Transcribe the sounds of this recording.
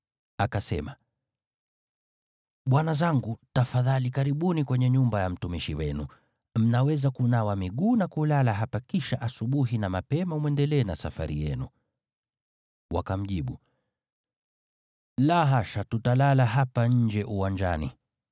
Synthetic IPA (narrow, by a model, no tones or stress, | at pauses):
akasɛma | ɓwanazaŋɡutafaðalikaɾiɓunikwɛɲɛɲumbajam̩tumiʃiwɛnṵ | m̩nawɛzakunawamiɠuːnakulalaɦapakiʃaʔasuɓuɦinamapɛmamwɛndɛlɛːnasa̰fa̰ɾijɛ̰nu | wakam̩ʄiɓu | laɦaʃatutalalaɦapaɲ̩d͡ʒɛʔuwaɲd͡ʒa̰nḭ